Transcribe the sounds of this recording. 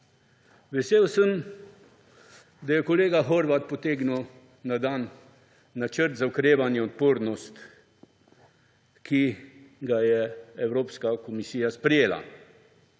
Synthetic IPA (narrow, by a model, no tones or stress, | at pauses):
ʋɛseːwsəm | d̪ajɛkɔleːɡaɦɔɾʋat̪̚pɔt̪eːɡnuw | nad̪anː | at͡ʃəɾt̪zaukɾeːʋanjɛɔt̪̚poːɾnɔst̪ | kiɡajɛɛwɾoːpskakɔmisiːjaspɾɛjeːla̰